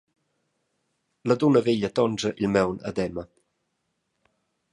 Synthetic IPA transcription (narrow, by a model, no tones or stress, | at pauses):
lad̪unəveʎət̪ɔnd͡ʒəʔilmɛwna̰d̪ɛmə